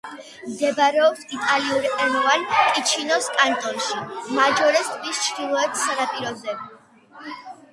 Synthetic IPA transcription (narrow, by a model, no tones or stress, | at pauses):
md̪ɛbaɾɛɔpsit̪ʼaliuɾɛɾɔvankʼit͡ʃʰinɔskʼant̪ʼɔnʃimad͡ʒɔɾɛst̪ʼʰvist͡ʃʰd̪ilˠɔɛt̪ʰsanapʼiɾɔd̪ɛb